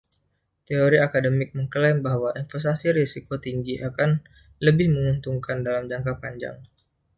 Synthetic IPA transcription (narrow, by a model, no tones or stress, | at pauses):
t̪eoɾiakadəmɪk̚məŋkəlɛmbaɦwaʔinfɛs̬t̪asiɾisikot̪iŋɡiʔakan | ləbɪhməŋunt̪uŋkandalamd͡ʒaŋkapaɲd͡ʒa̰ŋ